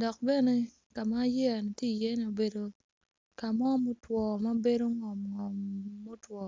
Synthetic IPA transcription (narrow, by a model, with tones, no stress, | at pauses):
dɔ˨k̚be˦ne˦ | ka˨ma˦jɛ˦a˨ni˨tje˦i˨jɛ˦ne˨o˨be˨do˨ | ka˨mɔ˦mo˦twɔ˨ma˦be˦do˦ŋɔ˨mŋɔ˨mːo˦twɔ˨